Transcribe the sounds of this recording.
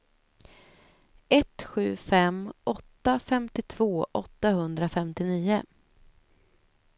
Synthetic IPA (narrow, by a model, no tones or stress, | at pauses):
ɛt̪ɧʉ̟ːfɛmʔɔt̪ːafɛmt̪ɪt̪ʰv̥oːʔɔt̪ːahɵnd̪ɾafɛmt̪ɪniːʊ